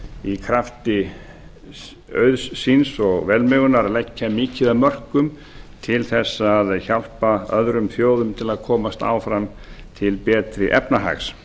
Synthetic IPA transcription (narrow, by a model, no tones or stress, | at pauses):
ikʰɾaft̪ɪ | œ̰ɥðssinsɔɣvɛlmœɣʏnaɾalɛcːamɪːcɪðamœr̥kʏm | t̪ʰɪlθɛsːaðçal̥paœðɾʏmθjoːwðʏmt̪ʰɪlaðkʰɔːmast̪a̰ːwfɾam | t̪ʰɪlpɛːt̪ɾɪʔɛpnaɦa̰ks